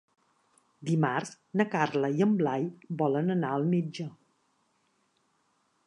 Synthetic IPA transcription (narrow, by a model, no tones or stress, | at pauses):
d̪imarz | nəkarləiəmblajbɔlənənaəlˠmed͡ʒə